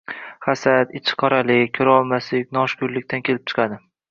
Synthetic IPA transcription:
χasat̪ɪt͡ʃʰɪ̥qʰɒɾalɪkʲʰɵɾɒlˠmaslɪkʲnɒʃkʊɾlɪk̚ʲt̪ʰankʲʰelɪp̚t͡ʃʰɨ̥qʰɑd̪ɪ

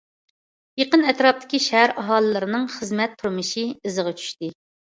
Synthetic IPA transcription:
jeqənɛt̪ɾɑp̚t̪ʰɪ̥kʲiʃæɦæɾɑɦɑːlˠɨlˠɨɾɨnɨŋχəzmɛt̪ʰːuɾmɨʃiɨzəʁɑt͡ʃʰy̥ʃt̪ɪ

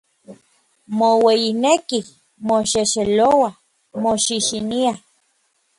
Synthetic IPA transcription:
mowejineki | moʃeʃelowa | moʃiʃinia

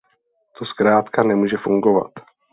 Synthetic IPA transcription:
t̪oskɾaːt̪kanɛmuːʒɛfuŋɡova̰t̪

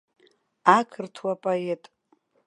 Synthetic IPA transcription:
akʰɨrtʰwapʼoe̞tʼ

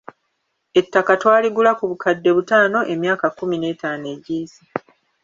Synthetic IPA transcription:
e̞tːakatwaːliɡulakuβukʰadːe̞βutaːno̞ʔe̞mjaːkakːumine̞ːtaːne̞ɟiːzi

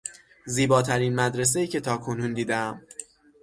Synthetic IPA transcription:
ziːbɒːt̪ʰæɾinmæd̪ɾe̞s̬e̞jiːcʰe̞t̪ʰɒːkʰo̞nund̪iːd̪eæm

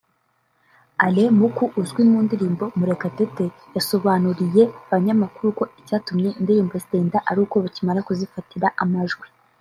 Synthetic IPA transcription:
alemukuʔuzɡwinmuːndiɾiːmbo̞muɾe̞katete̞ | jaso̞βanuɾije̞aβaɲamakuɾuko̞icaːtumɲe̞indiɾiːmbojasdeːndaʔaɾuːko̞βacimaɾakuzifatiɾaʔamaʒɡwi

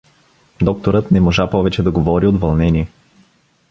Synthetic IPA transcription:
d̪ɔk̚t̪oɾɤt̪nɛmoʒapɔvɛt͡ʃɛd̪ɐɡovɔɾiot̪vɐlˠnɛniɛ

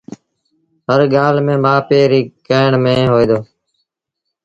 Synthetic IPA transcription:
ɦəɾɠaːlmẽːmaːpeːɾiːkəːɳmẽːɦoːiːd̪oː

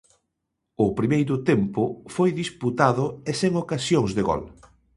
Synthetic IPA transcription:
ʊpɾimejɾʊt̪empʊfojðisput̪aðʊeseŋokasjoŋzðeɣɔ̰l

